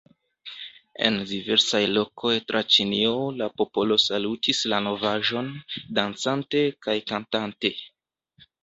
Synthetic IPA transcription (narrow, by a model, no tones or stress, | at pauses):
e̞̰ndive̞ɾsajlo̞kʰo̞jtɾat͡ʃiniolapo̞po̞lo̞salutislano̞vaʒo̞ndant͡sante̞kajkantante̞